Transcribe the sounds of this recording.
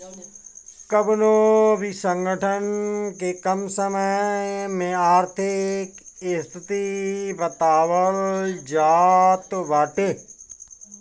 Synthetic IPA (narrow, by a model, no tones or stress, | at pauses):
kəbnoːbʱisə̃ŋɡəʈʰənkekəmsəməmẽaːɾt̪ʰɪkɪst̪ɪt̪ibət̪aːʋəld͡ʒaːt̪ʋaːʈeː